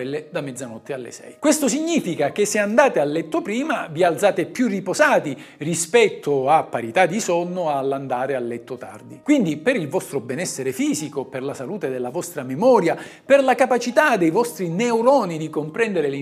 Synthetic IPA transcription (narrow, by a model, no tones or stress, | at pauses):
ɛlːed̪amːɛd̪zːanɔt̪ːealːḛsɛ̰jkwest̪os̬iɲːiːfikakeseand̪aːt̪ealːɛt̪ːopɾiːmavialt̪saːt̪epjurːipozaːt̪i | rispɛt̪ʰːoapːaɾit̪ad̪ːisɔnːʊalːand̪aːɾealːɛt̪ːot̪a̰rd̪ikwind̪ipeɾilvɔst̪ɾobɛnɛsːeɾefiːzikoperlasaluːt̪ed̪elːavɔst̪ɾamemɔːɾja | perlakapat͡ʃit̪ad̪ejvɔst̪ɾineuɾɔːnid̪ikompɾɛnd̪eɾeli